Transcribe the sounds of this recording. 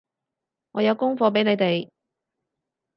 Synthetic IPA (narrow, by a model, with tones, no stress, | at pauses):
ŋɔː˨˧jɐ˨˧wkʊ˥ŋfɔː˨˧p̬e˨˥jne˨˧jt̪e˨j